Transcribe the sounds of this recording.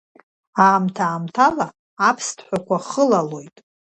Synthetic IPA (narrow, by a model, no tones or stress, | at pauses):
aːmtʰaːmtʰalaː | pʰstʰħʷakʷʰaχəlalo̞jtʼ